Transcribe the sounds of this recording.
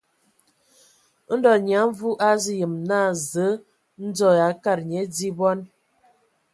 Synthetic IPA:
n̩˦dɔ˨ɲ˨a˨˦ɱ˦vu˦ʔa˦zi˦jə˨mna˦˨zə˨˦ | n̩˦d͡zɔ˦˨ja˨˦ka˦˨ɾɲe˨˦di˦bɔ˦n

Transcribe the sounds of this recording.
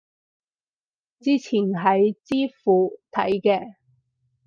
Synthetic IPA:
t͡siː˥t͡sʰiː˨˩nɦɐ˨jt͡siː˥fuː˨˧t̪ʰɐ̰˨˥jkɛː˧

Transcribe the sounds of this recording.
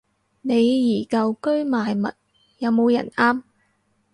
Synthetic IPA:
ne˨˧jːiː˨˩kɐ˧wkɵ˥ɥmaː˨jmɐ̰˨t̚ | jɐ˨˧wmo˨˧wjɐ̰˨˩naː˥m

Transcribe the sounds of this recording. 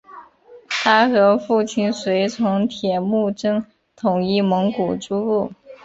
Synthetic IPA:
t̪ʰa˥xɤ˧˥fu˥˩t͡ɕʰi˥˩nswe˧˥ɪt͡sʰʊ˧˥ŋt̪ʰjɛ˨˩mu˥˩ʈ͡ʂɤ˥ŋ | t̪ʰʊ˨˩ŋi˥˩mɤ˧˥ŋku˨˩ʈ͡ʂu˥u˥˩

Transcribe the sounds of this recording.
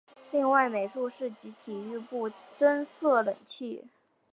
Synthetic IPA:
li˥˧ŋwa˥˩ɪme˨˩ɪʈ͡ʂu˥˧ʂɻ̩˥˩t͡ɕi˧˥t̪ʰi˨˩y˥˧pu˥˩ʈ͡ʂə˥nsɤ˥˩lə̰˨˩ŋt͡ɕʰi˥˩

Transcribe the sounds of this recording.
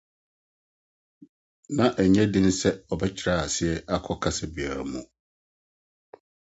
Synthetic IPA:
nã˨ʔæ˨ɲɛ̃˦dɪ̃˦n̩˦sɛ˦ɔ˨bɛ˦t͡ɕʰɪ˨ɾaː˦˨a˨sɪ˦ɛ˦ʔa˦kʰɔ˦kʰa˦sɛ˨bi˨a̰˨mũ˨

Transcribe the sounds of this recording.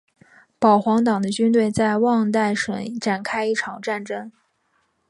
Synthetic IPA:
pɑ˨˩ʊxwɑ˧˥ŋt̪̬ɑ˨˩ŋd̪ə˦t͡ɕy˥nt̪̬we˥˧ɪt͡sa˥˧ɪwɑ˥˧ŋt̪a˥˩ɪʂə̰˧˩˥nʈ͡ʂa˨˩nkʰa˥ɪi˥˩ʈ͡ʂʰɑ˨˩ŋʈ͡ʂa˥˩nʈ͡ʂɤ˥ŋ

